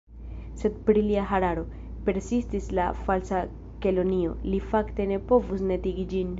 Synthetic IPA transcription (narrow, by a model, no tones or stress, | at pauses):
se̞d̚pɾiliaɦaɾaɾo̞ | pe̞ɾsistisla̰falsa | ke̞lo̞nio̞̰lifakte̞ne̞po̞vus̬ne̞tiɡid͡ʒin